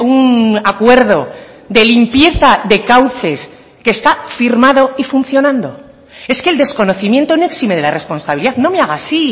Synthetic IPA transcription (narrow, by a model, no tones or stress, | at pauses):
unakwe̞ɾðo̞ | ðe̞limpje̞θaðe̞kawθe̞s | keːst̪afiɾmaðo̞ifun̟θjo̞nãnd̪o̞ | e̞ske̞ld̪e̞sko̞no̞θimje̞nt̪oneksimeð̞e̞lare̞spo̞nsaβiliðaðno̞me̞aɣ̞aːsi